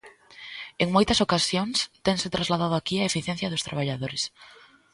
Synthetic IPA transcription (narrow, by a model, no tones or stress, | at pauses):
eŋmojt̪ɐsokasjoŋst̪eŋsɪt̪ɾazlaðað̞ʊakiaefiθjɛ̃n̟θjɐðʊst̪ɾaβ̞aʎaðoɾes